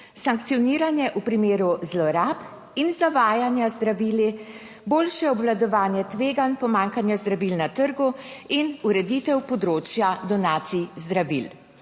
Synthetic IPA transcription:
saŋkt̪sijɔniːɾanjɛʔupɾimeːɾuzlɔɾap | inzaʋaːjanjazd̪ɾaʋiːli | boːlʃɛɔbʋlad̪ɔʋaːnjɛt̪ʋeːɡanpɔmaːŋkanjazd̪ɾaʋilnat̪əɾɡuinuɾɛd̪it̪ɛwpɔd̪ɾoːt͡ʃjad̪ɔnaːt̪sizd̪ɾaʋḭl

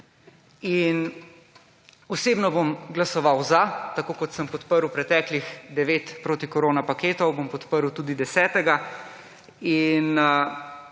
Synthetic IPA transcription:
in | ɔseːbnɔbomɡlasɔʋawzat̪akoːkɔt̪səmpɔt̪pəɾuwpɾɛt̪ɛːklixd̪ɛʋeːt̪pɾoːt̪ikoɾoːnapakeːt̪ɔwbompɔt̪pəɾwt̪uːd̪id̪ɛsɛːt̪ɛɡa | in

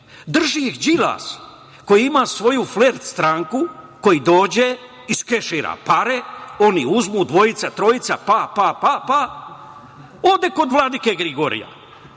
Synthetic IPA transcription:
d̪r̩ʒiixd͡ʒila̰ːs | ko̞jiimaːsʋo̞jufleɾt̪st̪ɾaŋku | ko̞jid̪o̞ːd͡ʑe | iskeʃiːɾa̰paɾeo̞niuzmud̪ʋo̞jit̪sat̪ɾo̞jit̪sapapapapa | od̪e̞ko̞d̪ʋlˠad̪ikeɡɾiɡo̞ɾḭja̰

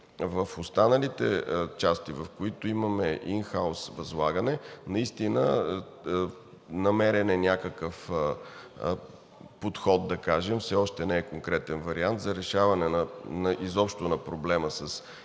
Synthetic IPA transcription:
vəfost̪anəlit̪ɛ̰t͡ʃast̪ivɐfkoit̪ʊimɐmɛʔinxaʊsvɐzlˠaɡənɛnɐist̪inə | nɐmɛɾɛnɛnʲakəkəf | pot̪xɔd̪̚d̪ɐkaʒɛmfsɛɔʃt̪ɛnɛːkoŋkɾɛt̪ɛnvɐɾiant̪zɐɾɛʃavɐnɛnənɐʔizɔpʃt̪onɐpɾoblɛməsɐs

